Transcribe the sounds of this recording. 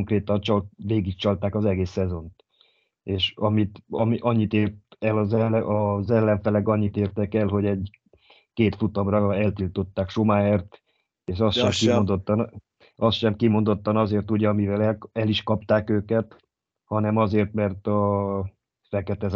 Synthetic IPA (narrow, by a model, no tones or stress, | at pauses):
ŋkreːt̪ɒnt͡ʃɒlʋeːɡik̚t͡ʃɒlt̪aːkɒzɛɡeːsːɛzo̞nt̪ | eːʃɒmit̪ɒmiʔɒɲːit̪eːrt̪ɛlɒzɛlɛɒzɛlːɛɱfɛlɛɡɒɲːit̪eːrt̪ɛkɛlɦo̞ɟɛɟ | keːt̪fut̪omrɒɛlt̪ilt̪o̞t̪ːaːkʃomaːeːrt̪ | eːʃɒst̪ʃɛmkio̞nd̪ot̪ːn | ɒst̪ʃɛmkimo̞nd̪o̞t̪ːɒnɒzeːrt̪uɟɛɒmivɛlɛlɛliʃkɒp̚t̪aːkøːkɛt̪ | hɒnɛmɒzeːrt̪mɛrt̪ɒ | fɛkɛt̪ɛz